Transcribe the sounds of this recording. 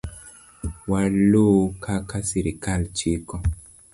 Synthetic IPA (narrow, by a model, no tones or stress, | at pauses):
walokʰakasiɾikalt͡ʃikɔ